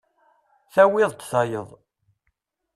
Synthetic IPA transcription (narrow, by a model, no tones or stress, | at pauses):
θæwɪðˤt̪θɑjəðˤ